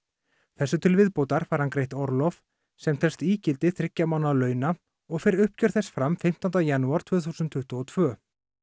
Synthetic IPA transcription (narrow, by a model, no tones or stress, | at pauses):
θɛsːʏt̪ʰɪlvɪðpowt̪aɾ̥faɾ̥hankɾejht̪ɔɾlɔf | sɛmt̪ʰɛlst̪iːcɪlt̪ɪθɾɪcːamawnalœːɥna | ɔɣfɛɾʏhpcœɾ̥θɛsfɾamfɪm̥t̪ɔnt̪ajanːuaɾ̥t̪ʰv̥ʏːθusʏnt̪ʰːʏht̪ɔɔt̪ʰvœː